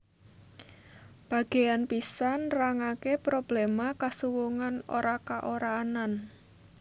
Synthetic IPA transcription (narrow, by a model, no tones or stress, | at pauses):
b̥a̤ɡ̥e̤janpisanraŋakepɾob̥lemakasuwuŋano̰ɾakaʔoɾaːnan